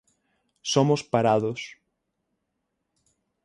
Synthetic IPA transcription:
somʊspaɾaðʊs

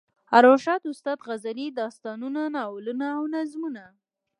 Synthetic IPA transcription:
aɾoʃɑt̪ʊst̪ɑd̪ɣazalid̪ɑst̪ɑnunanɑwlunaːwnazmuna

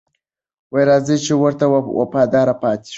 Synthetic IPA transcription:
wajɾɑːzət͡ʃewəɾt̪awa̰pɑd̪ɑːɾapɑt̪i̥

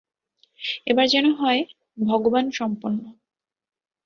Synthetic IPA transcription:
ebaɾd͡ʑɛnoɦɔe | bʱɔɡobanʃɔmpunːo

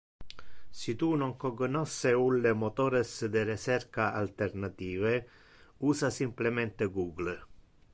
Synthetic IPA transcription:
sit̪unɔŋkoɡonɔsːeulːemot̪oːɾesd̪eɾet͡ʃɛrkaalt̪ernat̪iːve | uːsasimplemɛnt̪eɡuːɡl

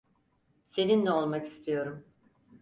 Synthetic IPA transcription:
se̞ninːɛolˠmaki̥st̪ʰijo̞ɾum

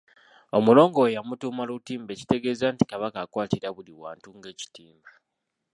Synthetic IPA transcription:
o̞mulo̞ːŋɡojamutuːmalutiːmbe̞ːci̥te̞ɡe̞ːzanti̥kaβakaːkwaːtiɾaβuliwa̰ːntuŋɡe̞ːci̥tiːmba

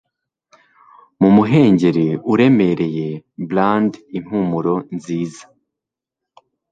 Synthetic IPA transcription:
mumuɦe̞ːɲɟe̞ɾiuɾe̞me̞ɾe̞je̞blandin̥umuɾo̞nziːzḁ

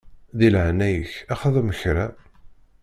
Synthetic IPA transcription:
ðilʕnæjəçæχəðəməçɾæ

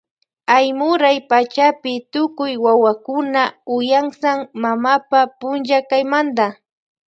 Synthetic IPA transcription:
ajmʊɾajpat͡ʃapɪt̪ʊkʊjwawakʊnaʊjaŋsaŋmamapapʊnʒakajmand̪a

